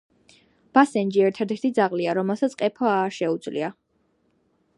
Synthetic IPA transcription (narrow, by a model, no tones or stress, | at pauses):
b̥asɛnd͡ʒiɛɾt̪ʰɛd̪ɛɾt̪ʰid̪zaʁliaɾɔmɛlˠsat̪sʰqʼɛpʰɔaʃɛud̪zlḭa